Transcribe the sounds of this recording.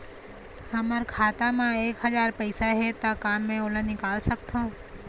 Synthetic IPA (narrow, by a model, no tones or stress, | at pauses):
hɐməɾkʰaːt̪amãeːkɦɐzaːɾpɐɪsaɦɛt̪akaːmːẽolə̃nɪkaːlsɐk̚t̪aũː